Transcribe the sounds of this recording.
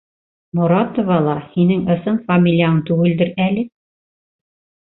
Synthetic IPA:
mŏɾɑt̪ŏvɑlˠɑhinɘŋɤ̆sɤnfɐmʲilʲijaɦɤŋt̪ʉɡɘ̆ld̪ɘɾælɘ

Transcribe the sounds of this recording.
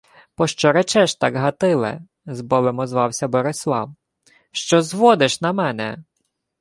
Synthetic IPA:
pɔʃt͡ʃɔɾɛt͡ʃɛʃt̪ɑɡɦɐt̪ɪlˠɛ̰ | zbɔbemɔzʋɑwsʲɐbɔɾɪslˠɑ̰w | ʃt͡ʃɔzʋɔd̪ɪʃnɐmɛnɛ

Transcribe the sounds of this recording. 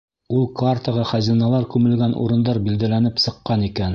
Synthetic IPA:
ulˠkart̪əʁɑχæzinɑlˠɑɾkʉmɘ̆lɡænṵɾɤ̆nd̪ɑɾbild̪ælænɘpsɤ̆qːɑnikæn

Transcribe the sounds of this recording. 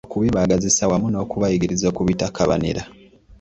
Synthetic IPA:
okuβiβaɡazisawamuno̞ːkuβajiɡiɾizo̞ːkuβitakʰaβa̰nḭɾa

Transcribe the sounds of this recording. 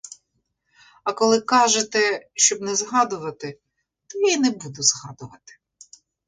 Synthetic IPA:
ɐkɔlˠɪkɑʒet̪ɛʃt͡ʃɔbnɛzɦɑd̪ʊʋɐt̪ɪ | t̪ɔjajinɛbud̪ʊzɦɑd̪ʊʋɐt̪ɪ̥

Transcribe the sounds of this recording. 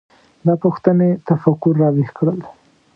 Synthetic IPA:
d̪ɑpuxt̪ənet̪afakʊɾːɑwihkɽəl

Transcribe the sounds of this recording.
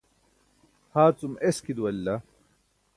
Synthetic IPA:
haːt͡sumeskid̪uwɐlːa

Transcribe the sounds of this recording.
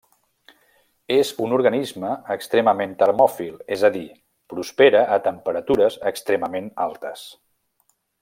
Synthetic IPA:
ezunuɾɣənizməːkst̪ɾɛməment̪əɾmɔfilˠezəði | pɾuspeɾəʔːt̪əmpəɾət̪uɾəzəkst̪ɾɛməmenalˠt̪əs

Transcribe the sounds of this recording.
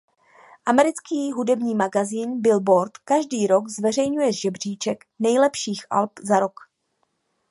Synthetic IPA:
ʔamɛɾɪt͡skiːɦudɛbɲiːmaɡaziːnbɪlbo̞ɾt̪kaʒdiːɾo̞kzvɛr̝ɛjɲujɛʒɛbr̝̥iːt͡ʃɛk | nɛjlɛpʃiːxʔa̰lpzaɾo̞k

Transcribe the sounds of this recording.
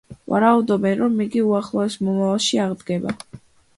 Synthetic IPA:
va̰ɾaud̪ɔbɛnɾɔmiɡiuaχlˠɔɛsmɔmavalˠʃiaʁd̪ɡɛba̰

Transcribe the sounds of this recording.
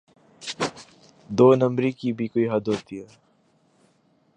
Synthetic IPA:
d̪oːnɐ̃mɾikibʱikoiɦɐd̪ɦoːt̪iɛː

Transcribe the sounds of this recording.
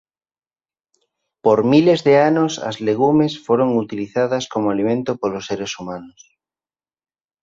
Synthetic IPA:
poɾmilezðeanosa̰zleɣ̞umesfoɾoŋut̪iliθaðaskomoalimẽnt̪opolosːeɾesumãnos

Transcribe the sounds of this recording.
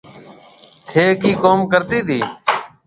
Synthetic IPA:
t̪ʰeːkiːkoːmkəɾt̪iːd̪iː

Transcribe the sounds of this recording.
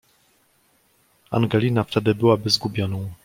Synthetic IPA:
a̰ŋɡɛlʲinaft̪ɛd̪ɘbɘwabɘzɡubʲjɔnɔ̃w̃

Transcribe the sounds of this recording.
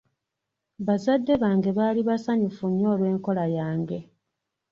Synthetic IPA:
βazadːe̞βaːŋɡe̞βaːliβasaɲufuɲːo̞ːlwe̞ːŋko̞lajaːŋɡe̞

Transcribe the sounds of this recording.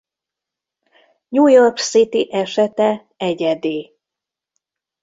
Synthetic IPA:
ɲuːjorksit̪iʔɛʃɛt̪ɛ | ɛɟɛd̪eː

